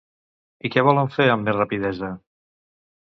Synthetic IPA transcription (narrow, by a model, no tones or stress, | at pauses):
ikɛβ̞ɔləɱfeɾəmːezrəpiðɛzə